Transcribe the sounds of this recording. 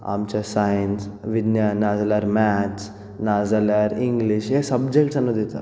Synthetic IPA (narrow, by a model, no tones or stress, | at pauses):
a̰mt͡ɕasajənsʋinjanad͡zalaɾmæt͡ɕ | nad͡zalaɾiŋɡliɕesəbd͡ʑekʈsanːod̪it̪a̰